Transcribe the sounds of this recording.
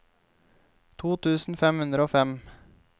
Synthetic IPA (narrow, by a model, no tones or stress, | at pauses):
t̪ʰuːt̪ʰʉːsn̩fɛmhʉnd̪ɾəoːfɛm